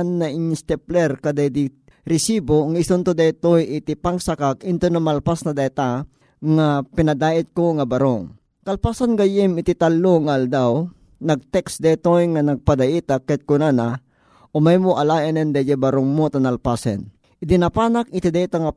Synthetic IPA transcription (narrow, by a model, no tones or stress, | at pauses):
nːɐʔɪnst̪ɛplɛɾkɐd̪ajd̪i | ɾɪsiboŋaɪsʊnt̪od̪ɛt̪ojʔɪt̪ipaŋsakakɪnt̪onɐmalpasnɐd̪ɛt̪a | ŋapɪnɐd̪aːʔɪt̪̚koŋɐbɐɾoŋ | kɐlpasanɡɐjɪmɪt̪it̪alːoŋaʔɐld̪aw | nɐɡ̚t̪ɛksd̪ɛt̪ojŋɐnɐɡ̚pad̪ɐʔit̪akːɛt̪̚kʊnana | ʔomajmoʔɐlaːʔɛnɛnd̪ɛjɛbɐɾoŋmot̪anɐlpasɛ̰n | ʔɪd̪ɪnɐpaːnak̚ɪt̪id̪ɛt̪aŋɐ